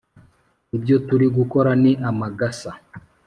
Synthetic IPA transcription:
ibɟotuɾiɡukoɾaniʔamaɡasa

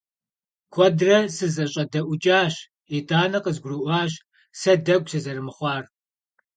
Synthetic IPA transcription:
kʷʰɔdrɐsɨzɐɕʼɐdɐʔʷʊt͡ʃʼaːɕ | etaːnɐqəzɡʷrɨʔʷɑːɕ | sɐdɐɡʷsɐzɐrɨmɨχʷɑːr

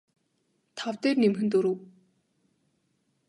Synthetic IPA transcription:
t̪ʰawt̪eːrnimxɘ̆nt̪oɾu

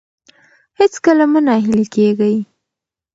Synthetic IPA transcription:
hɪt͡skəlamənaɦɪlikeɡaj

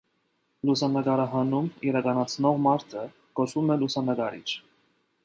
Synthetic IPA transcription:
lusɑnəɡɑɾɑɦɑnumiɾɑkɑnɑt͡sʰnɔʁmɑɾt̪ʰə | kɔʃumɛlusɑnəɡɑɾḭt͡ʃʰ

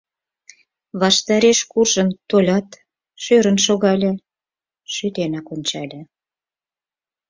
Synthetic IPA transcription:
βɑʃt̪ɑɾeʃkurʒə̆nt̪olʲɑt̪ | ʃøɾə̆nʃ̬oɣɑlʲĕ | ʃyt̪enɑkonʲt͡ɕɑlʲĕ

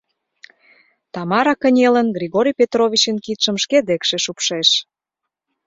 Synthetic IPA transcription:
t̪ɑmɑɾɑkə̆nʲelə̆nɡrʲiɣoɾʲijpʲet̪rovʲit͡ɕənkit̪ʃə̆mʃked̪ekʃeʃupʃeʃ

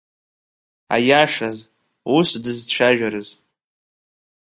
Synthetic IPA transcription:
a̰jaʂaz | usdɨzt͡ɕʷʰaʒᶣaɾɨz

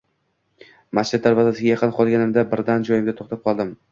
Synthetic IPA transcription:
mast͡ʃʰɪd̪̚d̪aɾvazasɪɡʲajɑqʰɨnqʰɒlˠɡʲanɪmd̪abɪɾd̪and͡ʒɒjɪmd̪at̪ʰoχt̪ap̚qʰɒlˠd̪ɪm

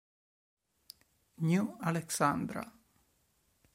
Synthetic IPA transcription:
njualɛksãnd̪ɾa̰

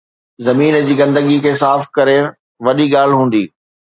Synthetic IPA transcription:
zɐmiːnd͡ʑiːɡɐ̃nd̪əɠikʰeːsaːfkɐɾe | ʋɐɗiɠaːl̤ɦũːn̆d̪iː

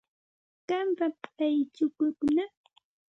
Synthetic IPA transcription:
kampapajt͡ʃʊkʊkna

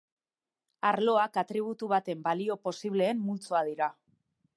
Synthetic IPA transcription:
aɾlo̞akat̪ɾiβ̞ut̪uβ̞at̪e̞mbalio̞po̞siβ̞le̞ːmmult͡soað̞iɾa

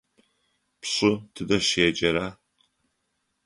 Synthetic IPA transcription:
pɕʼʊtʰɨdɐɕeːd͡ʒɐɾaː

